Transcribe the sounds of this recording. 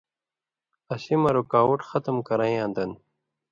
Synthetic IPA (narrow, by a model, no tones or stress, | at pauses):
ɐɕimɐɾukaːwuʈxɐt̪əmkɐɾãj̃ãːnd̪ɐn